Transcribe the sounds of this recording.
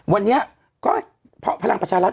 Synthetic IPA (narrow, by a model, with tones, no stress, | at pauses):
wa˧nːi˦˥ɐ | kɔː˥˩ | pʰɔ˦˥ʔpʰa˧la˧ŋpɾt͡ɕʰaː˧ɾa˦˥t̪